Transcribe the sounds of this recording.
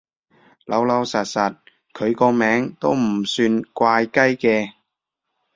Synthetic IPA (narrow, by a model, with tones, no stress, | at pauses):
lɐ˨˧˥wlɐ˨˧wsɐ˨t̚sɐ˨t̚ | kʰɵ˨˧ɥkɔː˧mɛː˨˥ŋt̪o˥wm̩˨˩syː˧nkʷaː˧jkɐ˥jkɛː˧